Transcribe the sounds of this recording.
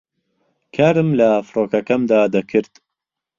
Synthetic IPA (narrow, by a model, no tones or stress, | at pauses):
kʰaːɾɨmlɐfɾoːkɐkɐmd̪aːd̪ɐkʰɨɾt̪